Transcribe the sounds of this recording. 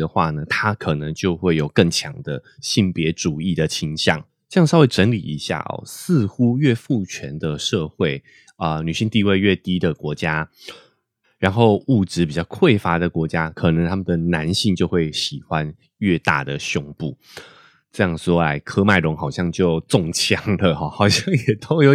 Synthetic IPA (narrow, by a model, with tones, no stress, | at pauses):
d̪ə˩xwa˥˩nə˩t̪ʰa˥kʰɤ˨˩nə˦ŋt͡ɕjo˥˧ʊxwe˥˩ɪjo˨˩ʊkə˥˩ŋt͡ɕʰjɑ̰˧˥ŋd̪ə˧ | ɕi˥˩ŋpjɛ˧˦˥ʈ͡ʂu˨˩i˥˩d̪ə˩t͡ɕʰi˧˥ŋɕjɑ̰˥˩ŋ | ʈ͡ʂɤ˥˧˥jʂwe˥˩ɪʈ͡ʂə˧˦˥nlḭ˨˩i˧˥˦ɕja̰˥˩ɔ̰˩sɹ̩˥˧xu˦ɥɛ˥˧fu˥˩t͡ɕʰɥɛ˧˦nd̪ə˨ʂɤ˥˧xwe˥˩ɪ | ə˨˩ny˨˩ɕi˥˧ŋt̪i˥˧we˥˧ɪɥɛ˥˩t̪i˥d̪ə˨kwɔ˧˥t͡ɕja˥ | ɻa˧˥nxo˥˧ʊu˥˩ʈ͡ʂɻ̩˧˦pi˨˩t͡ɕjɑ˥˧ʊkʰwe˥˩ɪfa˥d̪ə˨kwɔ˧˥t͡ɕja˦˥kʰɤ˨˩nə˧˦ŋt̪ʰa˥mə˨nd̪ə˩na˧˦nɕi˥˧ŋt͡ɕjo˥˧ʊxwe˥˩ɪɕi˨˩xwa˦n | ɥɛ˥˧t̪a̰˥˩d̪ə˩ɕʊ˥ŋpu˥˩ | ʈ͡ʂɤ˥˧jɑ˥˩ŋʂwɔ˥a˧˩ɪkʰɤ˥ma˧˩ɪɻʊ˧˥ŋxɑ˨˩ʊɕjɑ˥˧ŋt͡ɕjo˥˧ʊt͡sɔ˥˨ŋt͡ɕʰjɑ˥ŋlə˨xɔ˩xɑ˨˩ʊɕjɑ˥˩ŋjɛ˨˩t̪ʰo˥ʊjo˨˦ʊ